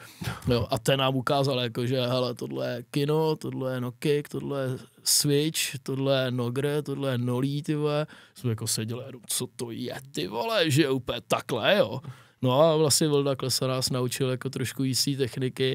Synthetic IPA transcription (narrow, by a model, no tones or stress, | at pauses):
joʔat̪ɛnaːmukaːzaljakoʒɛɦɛlɛt̪odlɛjɛkɪnot̪odlɛjɛnokɪkt̪odlɛjɛsvɪt͡ʃt̪odlɛjɛnoɡɾɛt̪odlɛjɛnoliːt̪ɪvɛsmɛjako̞sɛɟɛlɪjɛnomt͡sot̪ojɛ̰t̪ɪvolɛʒɛjupɛt̪aklɛjonoavlasɲɛvldaklɛsɛnaːsnaut͡ʃɪljakot̪ɾoʃkujisiːt̪̬ɛxnɪkɪ